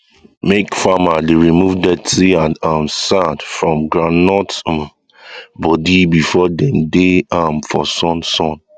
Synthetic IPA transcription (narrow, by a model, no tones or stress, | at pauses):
mekfamadeɹimuvdɛtɹiãnãmsãdfɹɔ̃mɡɹanɔt | bɔdibifɔdɛ̃mdeãmfɔ̰sɔ̃nsɔ̃n